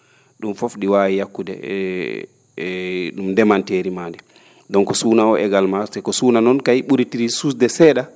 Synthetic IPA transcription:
ɗumfofɗiwaːwijakːudɛ̰ | ɗumdɛmanteːɾimandɛ | dɔnkɔsuːnaɔʔɛɡalmaɾtɛkɔsuːnanɔnkajiɓuɾitiɾisusdɛsɛːɗa

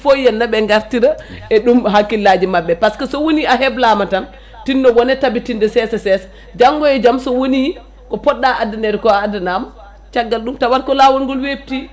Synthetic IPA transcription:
fojːɛnːaɓɛŋɡaɾtiɾaɛɗumɦakːilːad͡ʒimabːɛpaskɛsɔwoniaɦɛblamatan | tinːɔwɔnɛtabitindɛsɛsɛsɛsḁ | d͡ʒaŋɡɔjɛd͡ʒamsɔwoni | kɔpɔɗːaʔadanɛɾɛkɔaːdanamɔ | t͡ʃaɡːalɗumtawaɾkɔlawɔnɡɔlwebti

